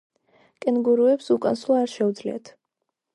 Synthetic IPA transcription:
kʼɛnɡuɾuɛpsukʼanslˠaːɾʃɛud̪zlḭa̰t̪ʰ

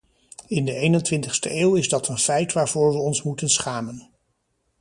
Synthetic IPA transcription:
ɪndəejnəntʋɪntəχstə̰ʔeːwɪzdɑtənfɛjtʋaːɹvʊːɹʋəɔnsmutənsχaːmən

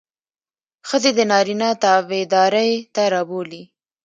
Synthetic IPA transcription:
xəzed̪ənɑɾinɑt̪ɑwed̪ɑɾəjt̪aɾɑboli

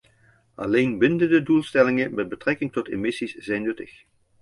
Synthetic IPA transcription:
ʔɑlejnbɪndəndədulˠstɛlɪŋəmɛd̚bətrɛkɪŋtɔtemɪsisz̥ɛjnːɵtəx

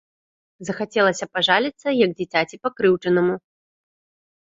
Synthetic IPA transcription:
zɐxat͡sʲɛlˠɐsʲɐpaʐalʲit̪sːɐjɐɡ̚d͡zʲit͡sʲat͡sʲipakɾɨwt͡ʂɨnɐmu

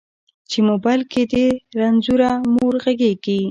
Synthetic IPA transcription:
t͡ʃemobajlkʰed̪eɾanzuɾamoɾɣaɡeɡi

